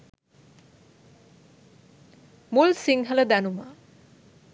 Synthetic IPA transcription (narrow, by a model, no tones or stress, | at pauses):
mulsiŋɦələd̪ænuma